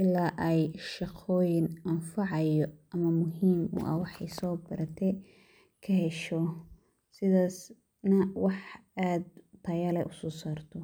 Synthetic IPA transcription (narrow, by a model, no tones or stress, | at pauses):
ʔɪlːaːʔɛjʃɑqʰɔːjɪnɐnfɑʕɑjɔʔɐmɐmʊɦiːmʊ̰ʔɐ̰wɑħɑjsɔːbɐɾɐt̪ʰɛ | kʰɐɦɛʃɔ | sɪðaːs | nɐwɑħaːd̪t̪ʰɐjaːlɛjʔʊsɔːsaːrt̪ʰɔ